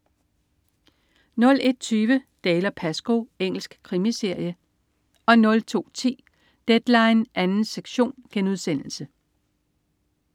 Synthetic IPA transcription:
nɔ̽le̝d̥̚t͡sʰyːʋəd̥ɛːlɐpʰæsɡ̥o̝eŋ̰l̩sɡ̥kʰʁimise̝ɐ̰jə | ɒ̽nɔ̽lt͡sʰo̝̰ːt͡sʰḭː | d̥ed̥lɑ̈ɪnʔænn̩seɡ̥ɕo̝̰ːnɡ̥enuð̞ˠsen̰l̩sə

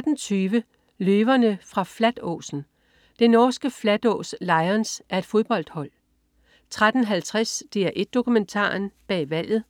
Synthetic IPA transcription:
d̥n̩t͡sʰyːʋə | løːʋɐnəfʁɑ̈flæd̥ɔ̰ːsn̩ | d̥enɒːsɡ̥əflæd̥ɔ̰ːslɑ̈ɪɐnsʔæɐe̝d̥fo̝ð̞ˠb̥ɒ̽l̰d̥hɒ̽l̰ | t͡sʰʁad̥n̩ɦælt͡sʰʁasd̥e̝æɐʔe̝d̥̚ːo̝kument͡sʰɑ̰̈ːnb̥ɛ̰ːʋæl̰ð̞̩ˠ

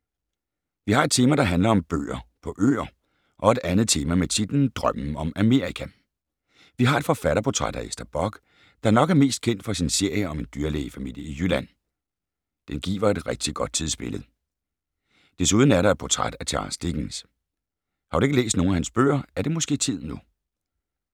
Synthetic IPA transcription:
ʋihɑ̈e̝̥t͡sʰe̝ːmæd̥ɑ̈ɦænlɐɒ̽mb̥ø̰ːɐpʰɒ̽ʔø̰ːɐ | ʔɒ̽e̝d̥ænð̩ˠt͡sʰe̝ːmæmet͡sʰid̥n̩d̥ʁɶm̰̩ɒ̽mæme̝ːɐʁikʰæ | ʋiɦɑ̈e̝̥fɒ̽fæɾɐpʰot͡sʰʁaɾ̥æesd̥ɐb̥ɒɡ̥ | d̥ɑ̈æɐnɒ̽ɡ̥æɐme̝̰ːsd̥̚kʰen̰d̥fɒsinse̝ɐ̰jəɒ̽me̝nd̥yːɐleːfæmḭl̰jəijylæn̰ | d̥enɡ̥ḭːʋɐe̝d̥ʁɛɡ̥̚d̥iɡ̥ɒ̽d̥̚t͡sʰiðˠsb̥e̝ləð̩ˠ | d̥e̝suðˠn̩æɐɾɑ̈ɪ̥pʰot͡sʰʁad̥æt͡sʰeɑ̰̈sd̥eɡ̥ns | hɑ̈ɾ̥ue̝ɡəlḛːsd̥no̝ːn̩æhænsb̥ø̰ːɐæɐd̥e̝mɔ̽sɡ̥e̝̰ːt͡sʰið̞̰ˠnu

